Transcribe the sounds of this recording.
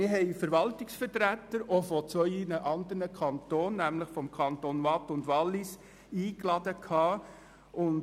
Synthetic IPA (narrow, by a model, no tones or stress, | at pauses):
ɪɾɦɛɪfəɾʋɑltɪksfəɾtɾætːəɾofɔt͡sʋœʏinəʔɑnd̪əɾnəkʰɑntoːnːæmləχfɔmkʰɑntonʋɑtʊndʋɑlːɪs | iːklɑdəkʰhɑː | ʔʊn